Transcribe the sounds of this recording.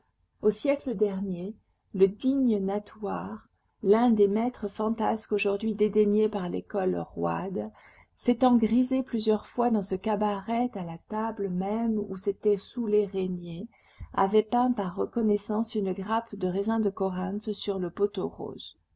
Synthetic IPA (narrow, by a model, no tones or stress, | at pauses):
osjɛkləd̪ɛʁnje | ləd̪iɲənat̪waʁ | lɛ̃d̪emɛt̪χəfɑ̃t̪askoʒuʁd̪ɥid̪ed̪eɲepaʁlḛkɔlʁwa̰d̪ | set̪ɑ̃ɡʁizeplyzjœʁfwad̪ɑ̃səkabaʁɛt̪alat̪abləmɛmṵset̪ɛsuleʁeɲje | a̰vɛpɛ̃paʁːəkɔnɛsɑ̃synɡʁapd̪əʁezɛ̃d̪əkɔʁɛ̃t̪syʁləpot̪oʁo̰ːz